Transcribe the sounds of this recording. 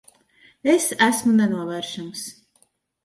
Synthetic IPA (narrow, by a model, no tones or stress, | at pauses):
ɛsæsmunɛnuɔvɛːɾʃams